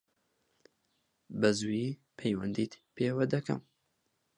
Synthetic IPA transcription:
bɐzui | pʰɛjwɐnd̪iːt̪pʰeːwɐd̪ɐkɐ̰m

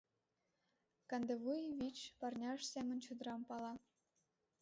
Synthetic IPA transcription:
kɑnd̪evujvʲit͡ɕpɑrnʲɑʃsæmʲə̆nʲt͡ɕŭd̪ɤ̆ɾɑmpɑlˠɑ

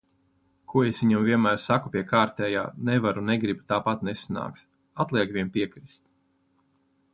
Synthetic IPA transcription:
kʰuɔesviɲumvʲiɛnmæːɾsakupʲiɛkaːɾt̪ɛːja̰ːnɛvaɾuneɡɾibut̪aːpat̪nesana̰ːkt̪s | at̪lˠiɛkvʲiɛnpʲiɛkɾist̪̚

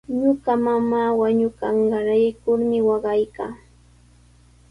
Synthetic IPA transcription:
ɲʊɢamamaːwaɲʊkɑɴɢɑɾajɪkʊɾmɪwɑɢɑjkaː

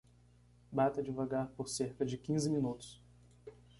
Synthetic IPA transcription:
bat̪ɐd͡ʒivaɡaɾpoɾseɾkɐd͡ʒɪkĩzɪmĩnut̪ʊ̥s

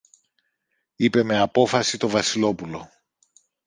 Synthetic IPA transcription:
ipe̞me̞ɐpo̞fɐsit̪o̞vɐsilo̞pulo̞

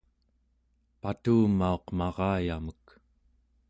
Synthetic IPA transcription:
pat̪uːmːao̞qmɑʁɑːjamək

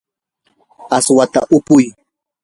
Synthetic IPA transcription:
aswat̪a̰ʔʊpʊj

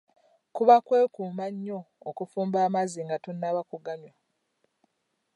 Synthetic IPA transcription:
kuβakwe̞ːkuːmaɲːo̞ːkufuːmbaːmaziŋɡatonːaβakuɡamjwa

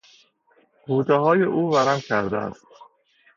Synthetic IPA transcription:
hʰuːd̪eɦɒːjeʔuːvæɾæmkʲʰæɾd̪æ̰æ̰st̪

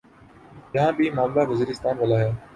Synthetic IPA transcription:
jɐɦãːbʱimaːmlaʋəziːɾɪst̪aːnʋɐlaːɦɛː

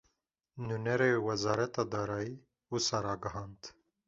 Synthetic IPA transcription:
nunɛɾeːwɛzɑːɾɛt̪ɑːd̪ɑːɾɑːjiː | wusaɾɑːɡɐɦɑːnd̪

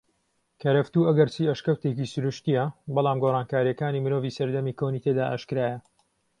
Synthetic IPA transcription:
kʰɐɾɐft̪uːɐɡɐɾt͡ʃiːɐʃkɐwt̪eːkisʊɾuʃt̪ijɐbɑlˠaːmɡoːraːnkaːɾjɐkaːniːmɨɾoːviːsɐɾd̪ɐmiːkʰoːniːt̪ʰed̪aːʔa̰ʃkɾaːjɐ

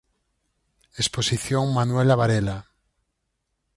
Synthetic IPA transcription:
esposiθjoŋmanwelaβaɾela

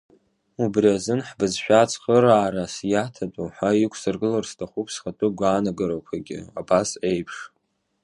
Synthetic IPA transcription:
ubriazɨnħbɨzʃᶣat͡sʰʼχəɾaːɾasjatʰatʼuħʷaikʷʰsɨrɡɨlarstʰaχʷupʰsχatʰʼɨɡʷaːnaɡɨɾokʷʰaɡʲɪ̰abasejpʰʂ

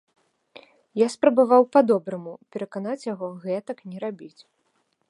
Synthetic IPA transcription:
jaspɾɐbavawpad̪ɔbɾɐmupʲɛɾɐkanat͡sʲjaɣɔɣɛt̪ɐknʲɛɾabʲit͡sʲ

